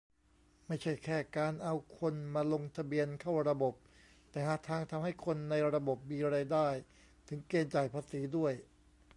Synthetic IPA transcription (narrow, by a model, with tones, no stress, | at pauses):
ma˥˩jt͡ɕʰa˥˩jkʰɛː˥˩kaː˧nʔa˧wkʰo˧nmaː˧lo˧ŋt̪ʰa˧bi˧ənkʰa˥˩wɾa˧bo˨˩p̚ | t̪ɛː˨˩haː˨˩t̪ʰaː˧ŋt̪ʰa˧mha˥˩jkʰo˧nːa˧jɾa˧bo˨˩p̚miː˧ɾaː˧jdaː˥˩j | t̪ʰɯ˩˦ŋkeː˧nt͡ɕaː˨˩jpʰaː˧siː˩˦du˥˩əj